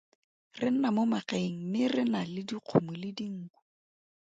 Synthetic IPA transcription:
rɪn̩namʊmakeŋ̩mɪrɪnalɪdiq͡χʰʊmʊlɪdiŋ̩ːku̥

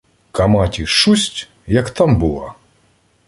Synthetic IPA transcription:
kɐmatʲiʂusʲtʲ | jɐkt̪ambulˠa̰

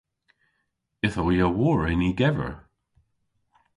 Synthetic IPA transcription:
ɪθowiəwɔːɹɛniɡɛvə̰ɹ

